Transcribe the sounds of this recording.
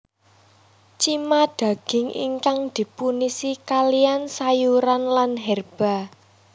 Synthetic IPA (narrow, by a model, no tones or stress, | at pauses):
t͡ʃimad̪̥ä̤ɡ̥ɪŋʔḭŋkaŋd̪̥i̤punisikaliansajuɾanlanɦɛrb̥a̤